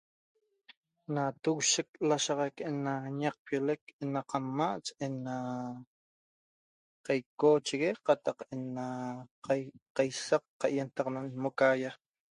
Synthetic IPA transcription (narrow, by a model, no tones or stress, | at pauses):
nat̪uwʃek̚laʃɑʁɑjkʔenaɲaq̚pjolekenaqamːaʔt͡ʃena | qɑjkoːt͡ʃiɣeqɑt̪ɑqena | qɑjsaqːɑʔjent̪ɑqnanmokaja